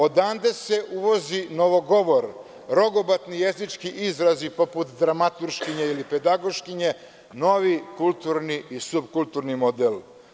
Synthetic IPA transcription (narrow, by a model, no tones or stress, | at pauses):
o̞d̪aːnd̪ese̞ʔuʋo̞zinoʋo̞ɡo̞ʋo̞ɾ | ɾo̞ɡobat̪nijezit͡ʃkiʔizɾazipo̞put̪d̪ɾamat̪uɾʃkiɲeiliped̪aɡo̞ʃkiɲe | no̞ʋikulˠt̪uɾniisubkult̪uɾnimod̪el